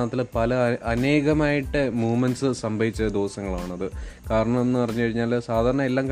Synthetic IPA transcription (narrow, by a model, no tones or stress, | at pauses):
ɐt̪ːilpɐlɐɐne̞ːɣɐmaːjiʈːɨmuːmɐnsɨsɐmbʱɐʋit͡ɕːɐd̪oːsɐŋːɐɭaːɳɐðɨkaːɾɐɳɐmenːɨpɐrɐɲːukɐɻiɲːaːlsaːd̪ʱaːɾɐɳɐe̞lːaːmk